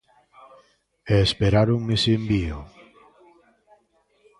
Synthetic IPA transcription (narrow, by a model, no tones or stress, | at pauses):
eːspeɾaɾuŋmesembiʊ